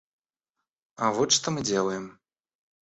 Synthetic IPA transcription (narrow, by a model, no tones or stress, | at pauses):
ɐvɔt̪ʂt̪ɔmɨd͡zʲelˠɐjɛm